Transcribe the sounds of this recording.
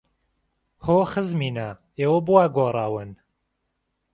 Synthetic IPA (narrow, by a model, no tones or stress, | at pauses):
hoːxɨzmiːnɐ | eːwɐbuwaːɡoːrˤɑːwɨn